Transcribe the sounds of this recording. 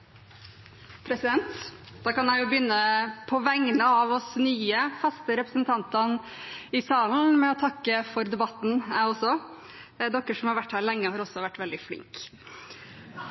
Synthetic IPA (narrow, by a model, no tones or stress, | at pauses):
pʰɾɛsɪd̪ɛnt̪ | d̪̥ɑːkɑnjæɪjʊbjʏnːəpʰɔʋɛŋːnəɑʋɔsnyːəfɑst̪əɾɛpɾəsənt̪ʰɑnt̪ɑn | ɪsɑːln̩mɛɔt̪ʰɑkːəfɔɾd̪ɛbɑt̪n̩æɔsɔ | d̪ɔkːəʂɔmhɑɾʋæʈːhæːlɛŋːəhɑɾɔsːɔʋæʈːʋɛld̪ɪflɪ̰ŋk